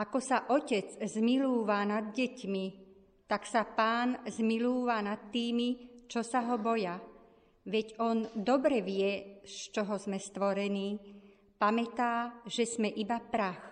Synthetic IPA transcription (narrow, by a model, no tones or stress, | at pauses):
ʔakɔsaʔɔcɛd͡zzmiluːʋanad̪ɟɛcmi | t̪aksapaːnzmiluːʋanat̪ːiːmit͡ʃɔsaɦɔbɔja | ʋɛɟɔnd̪ɔbɾɛʋɪɛst͡ʃɔɦɔzmɛst̪ʋɔɾɛniː | pamɛt̪aːʒ̥ɛzmɛʔibapɾax